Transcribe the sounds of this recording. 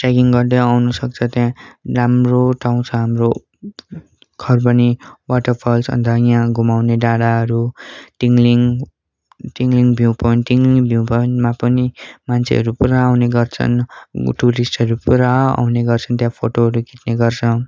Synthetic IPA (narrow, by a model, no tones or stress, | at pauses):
ʈaɡiŋɡʌrd̪ʌawnʌsʌk̚t͡sʰʌt̪jãramroʈʰaw̃t͡sʰʌɦamro | kʰʌrbʌniwaʈʌrpʰʌlsʌ̰nd̪ʱʌjãɡʱumawneɖaɽaɦʌɾuʈiŋɡliŋ | ʈiŋɡliŋbʱjiw̃pʌjnʈiŋɡliŋbʱjĩpʌnmapʌnimant͡sʰḛɦʌ̰ɾupuɾaːwneɡʌrt͡sʰʌ̰nʈuɾisʈʌɾupuɾaa̰wneɡʌrt͡sʰʌnt̪jãpʰoʈoɦʌɾuɡʱit̪neɡʌrt͡sʰʌ